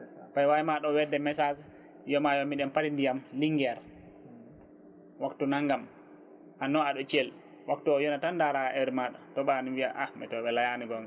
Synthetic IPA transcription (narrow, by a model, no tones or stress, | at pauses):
pajwajimaɗɔwɛdɛmɛsad͡ʒ | jɔmajɔmiɗɛmpatindijamliŋɡɛɾ | waktunaŋɡam | ʔanːɔaɗɔt͡ʃɛl | waktɔjɔnatandaɾaʔɛɾmaɗɔtɔɓaniwiaʔamɛtɔɓɛlajaniɡɔŋ